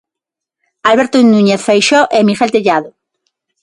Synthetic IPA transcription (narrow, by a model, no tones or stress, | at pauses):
alβeɾt̪oinũɲeθfejʃɔʔemiχelt̪eʎaðo